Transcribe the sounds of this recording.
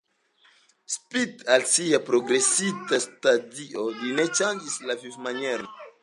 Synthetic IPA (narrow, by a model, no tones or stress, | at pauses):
spitalsiapɾo̞ɡɾe̞sitastadiʔo̞line̞t͡ʃand͡ʒislavifmanjeɾo